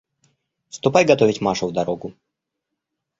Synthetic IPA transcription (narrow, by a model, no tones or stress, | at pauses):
fst̪ʊpajɡɐt̪ovʲɪtʲmaʂʊvd̪ɐɾoɡʊ